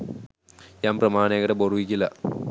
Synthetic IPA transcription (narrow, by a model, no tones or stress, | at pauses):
ɲaːmprɐmaːneːɣɐɽeboruikʲːilːɐ